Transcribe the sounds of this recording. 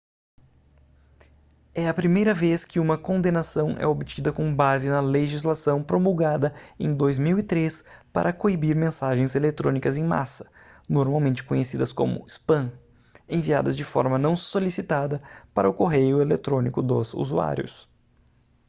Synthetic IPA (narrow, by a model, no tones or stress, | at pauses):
ɛɐpɾimejɾɐveskɪũmɐkõd̪enasɐ̃w̃ʔɛ̰obit͡ʃid̪ɐkõbazɪnɐleʒizlasɐ̃w̃pɾomuwɡad̪ɐẽj̃d̪ojzmiwit̪ɾespa̰ɾʔɐkoibiɾmẽsaʒẽj̃zelet̪ɾõnikɐzẽj̃ma̰sɐ̥ | noɾmawmẽnt͡ʃɪ̥kõɲesid̪ɐskõ̰mʊ̰ispɐ̃ | ẽvia̰d̪ɐzd͡ʒɪfɔ̰ɾmɐnɐ̃w̃solisit̪ad̪ɐpaɾɐʊkoɦejʊelet̪ɾõnikʊd̪ʊ̰zṵzua̰ɾjʊ̰s